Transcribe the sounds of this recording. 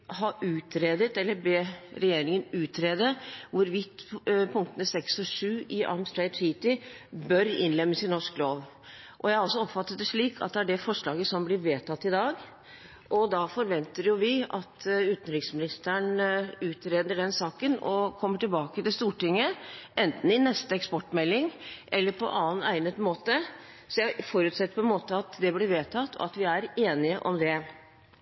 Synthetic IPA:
hɑʔʉːt̪ɾeːd̪ət̪ɛlːəɾbeːɾɛjeːɾɪŋənʉːt̪ɾeːd̪əʋʊɾʋɪt̪pʰʊŋk̚t̪ənəsɛksɔʂʉːɪʔɑ̰lmst̪ɾæɪd̪siːt̪ɪbœɾɪ̰nlɛmːəsɪnːɔʂkloːʋ | ʔɔjæhɑɾɔlsːɔɔpfɑt̪ːət̪̚d̪ɛʂɭiːkʰɑ̰t̪̚d̪ɛæɖɛfɔʂɭɑːɡəsɔmblɪɾʋeːt̪ʰɑt̪ːɪd̪ɑːɡ | ʔɔd̪ɑfɔɾʋɛnt̪əɾjʊʋɪɑt̪ʰʉːt̪n̩ɾɪksmɪnɪst̪əɳʉːt̪ʰɾeːd̪əɖɛnsɑːkənɔ̰kʰɔmːəʈɪlbɑːkət̪ɪlst̪uːʈɪŋːəɛnt̪n̩ɪnɛst̪əɛkspɔʈːmɛlːɪŋʔɛlːəɾpʰɔ̰ʔɑːənæɪnət̪moːt̪ə | sɔjæfɔɾʉːt̪sɛt̪ːə̥ɾpʰɔɛnmoːt̪əɑt̪d̪ɛblɪɾʋeːt̪ʰɑt̪ʰːɔ̰ɑt̪ʋɪæɾeːnɪəʔɔmd̪ɛ

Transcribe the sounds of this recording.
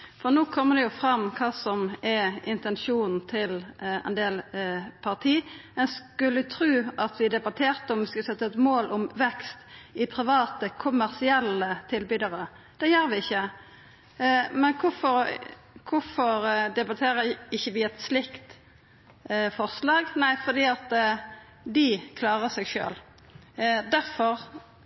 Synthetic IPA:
fɔʁnoːkʰɔmːəd̪ɛjʊfɾɑmːkʰɑːsɔmɛɪnt̪ɛnʃuːnn̩t̪ʰɪlɛ̰nd̪eːlpʰɑʁt̪ʰiːɛnskʉlːət̪ʰɾʉːɑt̪ʋɪd̪ɛbɑt̪ʰeːʁt̪əɔmʋskɑsɛt̪ːəɛt̪moːlʔɔmʋɛkst̪ɪpʰɾɪʋɑːt̪əkʰʊmæʁsɪɛlːət̪ʰɪlbyːd̪əɾə | d̪̥ɛjøːɾʋɪɪçːə | mɛnkʰʊfɔɾ | kʰʊfɔɾd̪ɛbɑt̪ʰeːɾəɪçːəʋɪɛt̪slɪkt̪ | fɔʁslɑːɡnæɪfɔʁd̪iːɑt̪ | d̪ɪkʰlɑːʁəsɛɡʃø̰ːl | d̪æɾfɔɾ

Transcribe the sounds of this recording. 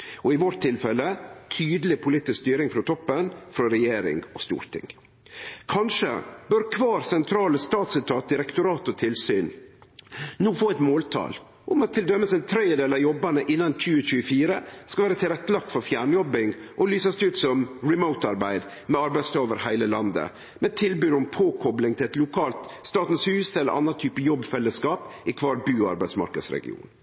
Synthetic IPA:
ɔɪʋɔʈ̚t̪ʰɪlfɛlət̪ʰyːd̪əlɪpʰʊliːt̪ɪskst̪yːɾɪŋfɾɔt̪ʰɔpːənfɾɔɾɛjeːɾɪ̰ŋɔst̪ṵːɾt̪ʰɪ̰ŋ | kʰɑnʂə̰bœɾkʰʋɑːɾsɛnt̪ʰɾɑːləst̪ɑːt̪sɪt̪ʰɑːt̪̚d̪ɪɾɛkt̪ʊɾɑːt̪ɔt̪ʰɪlsyːn | noːfoːɛɪt̪moːlt̪ʰɑ̰l | ʔʊmɑt̪ʰːɪld̪œmːəsɛnt̪ʰɾeəd̪eːlɑjɔbːɑnəʔɪnːɑnc͡çʉːət͡ɕʉːəfiːɾəskɑʋæːɾət̪ʰɪlɾɛt̪ːəlɑk̚t̪fɔɾfjæːɳjɔbɪŋʔɔlyːsɑsd̪ɛʉːt̪sɔmɹɪməʊt̪ɑɾbæɪd̪ | mɛɑɾbæɪst̪ɑːoːʋəɾhæɪləlɑnd̪ə̰ | mɛt̪ʰɪlbyːɾʊmpʰoːkʰɔblɪŋt̪ʰɪlɛt̪lʊkʰɑːlt̪st̪ɑːt̪n̩shʉːsɛləɾʔɑ̰nːɑt̪ʰyːpəjɔbːfɛlːəskɑːpɪkʰʋɑːɾbʉːɑ̰ɾbæɪd̪smɑ̰ɾkə̰d̪sɾɛ̰ɡɪ̰ṵːn

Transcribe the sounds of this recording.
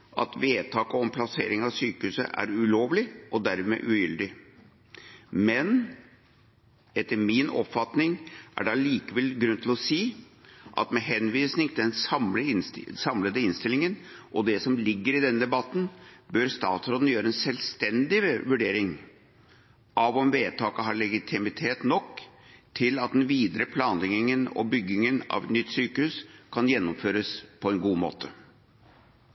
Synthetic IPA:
ɑ̰t̪ʋeːt̪ʰɑːkɔɔmpʰlɑseːɾɪŋɑʋsyːkəhʉːsə̰ʔæ̰ɾʉloːʋlɪʔɔd̪æɾmɛ̰ːʔʉjʏld̪ɪ | mɛn | ɛt̪ːəɾmɪnɔ̰pfɑt̪nɪŋʔæ̰ɖɑliːkəʋɛlɡɾʉnt̪ʰɪlɔsiːʔɑ̰t̪mɛɦɛnʋiːsnɪŋt̪ʰɪd̪ɛnsɑmləsɑmləd̪əɪnst̪ɪlɪŋənʔɔd̪ɛsɔmlɪɡːəɾɪd̪ɛnːd̪ɛbɑt̪ːn̩bœɾst̪ɑːt̪sɾɔd̪ən̩jøːɾəɛnsɛlst̪ɛnd̪ɪʋʉɖeːɾɪŋ | ʔɑʋɔmʋeːt̪ʰɑːkəɦɑɭɛɡɪt̪ʰɪmɪt̪ʰeːt̪nɔkː | t̪ʰɪlɑt̪̚d̪ɛnʋiːd̪əɾəpʰlɑːnlɪŋɪŋənɔ̰bʏɡːɪŋənɑ̰ʋɛt̪nʏt̪ːsyːkəhʉːskʰɑnjɛnːɔmføːɾəspʰɔɛnɡuːmo̰ːt̪ʰə

